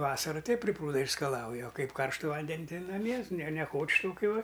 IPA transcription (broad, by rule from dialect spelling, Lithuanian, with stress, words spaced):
ˈʋɑːsɐrʊ ˈtʲɛɪp pʲrʲɪ ˈpruːdɐ ɪʃskɐˈlˠɐʊjɛ oː ˈkɐɪp ˈkɐrʃtʊ ˈʋɐnʲdʲɛnʲ ˈtɐɪ nɐˈmʲiɛ nʲɛ nʲɛˈkoːt͡ʃʲ ˈtoːkʲʊ ˈʋɐ